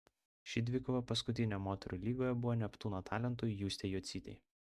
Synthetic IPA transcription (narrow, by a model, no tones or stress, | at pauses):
ʃʲid̪ʲʋʲɪkʊʋɐpɐskʊt̪ʲɪnʲomoːt̪ʲɛɾʊˑlʲiːɡoːjɛbʊʋoːnʲɛpt̪uːnot̪ʰɑːlʲɛnt̪̬ʊjjuːsʲt̪ʲejuːt̪sʲiːt̪ʲɛ̰ɪ